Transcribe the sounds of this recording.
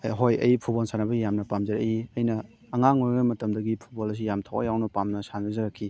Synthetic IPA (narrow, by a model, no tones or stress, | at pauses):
ɦojɐ̰jipʰubolsʰanɐbɐɡijamnɐpamzɐɾɐjiɐjnɐː | ŋaŋoɾɡɐmɐtɐmdɐɡipʰu̥t̚bolɐs̬ijamtʰawɐ̰jawnɐpamnɐsanɐzɐɾakʰːi